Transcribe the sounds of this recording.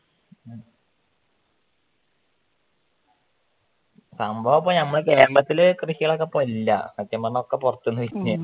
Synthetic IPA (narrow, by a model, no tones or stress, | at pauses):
sɐmbʱɐʋɐpːonɐmːɐɭkeːrlɐt̪ːilkrɨɕiɣɐɭok̬ːepːomilːɐ̰ɐt̪ːjɐmːɐnːɐokːe̞purɐt̪ːunːuʋiɲːu